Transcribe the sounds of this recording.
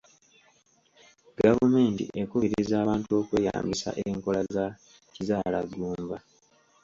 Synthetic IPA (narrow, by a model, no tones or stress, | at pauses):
ɡavume̞ːntḭʔekuβiɾiizaːβaːntuo̞ːkwe̞ːja̰ːmbisa̰ʔeŋko̞laza | cizaːlaɡːuːmba